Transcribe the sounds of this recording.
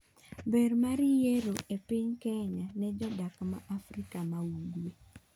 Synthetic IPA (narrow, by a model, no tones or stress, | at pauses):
bermaɾijeɾoʔepɪɲkɛɲanɛd͡ʒɔdakma̰ʔafɾikamawuɡwe